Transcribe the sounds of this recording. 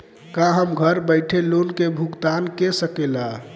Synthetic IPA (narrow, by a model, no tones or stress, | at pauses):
kãɦəmɡʱəɾbəɪʈʰelonkebʱukt̪ankesəkela